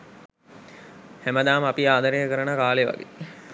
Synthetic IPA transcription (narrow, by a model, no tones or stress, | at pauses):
hæməd̪aːmapiaːd̪əɾejəkəɾənəkaːleʋa̰ɡḛː